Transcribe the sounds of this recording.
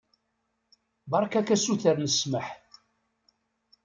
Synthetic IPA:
bɑɾˤkækæsuθəɾnəsməħ

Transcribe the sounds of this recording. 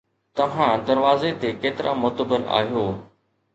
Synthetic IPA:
t̪ɐʋ̤ãd̪ɐɾʋaːzet̪ekeːt̪ɪɾʔa̰mʊːt̪əbəɾa̰ːɦijoː

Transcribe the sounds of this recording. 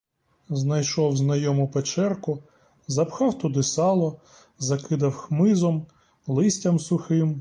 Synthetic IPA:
znɐjʃɔwznɐjɔmʊpet͡ʃɛrkʊ | zɐpxɑwt̪ʊd̪ɪsɑlˠɔ | zɐkɪd̪ɐwxmɪzɔm | lˠɪsʲtʲɐmsʊxɪm

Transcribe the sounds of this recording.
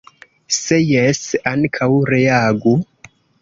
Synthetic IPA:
sejɛsankʰawɾeaɡu

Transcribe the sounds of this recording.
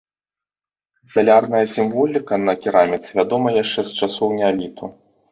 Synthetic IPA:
zɐlʲarnɐjɐsʲimvɔlʲikɐnɐkʲiɾamʲɛt̪svʲad̪ɔmɐjaʂt͡ʂɛst͡ʂasɔwnʲalʲit̪u

